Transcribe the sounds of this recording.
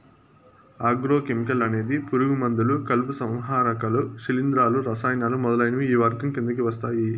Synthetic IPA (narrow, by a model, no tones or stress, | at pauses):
aːɡɾoːkemikɐlɐne̞ːd̪ipuɾuɡumɐnd̪ulukɐlpusɐ̃mʋɦaːɾɐkɐluʃilind̪ɾaːluɾɐsaːjnaːlumɔd̪ɐlɐjnɐʋiiːʋɐɾɡɐmkind̪ɐkiʋɐst̪aːji